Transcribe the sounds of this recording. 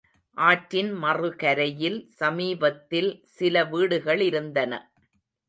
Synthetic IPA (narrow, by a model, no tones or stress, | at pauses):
ʔaːʈɾɪnmɐrɯkɐɾɐjɪlsɐmiːbɐt̪ːɪlsɪlɐʋiːɽɯɣɐɭɪɾɯnd̪ɐnɐ̰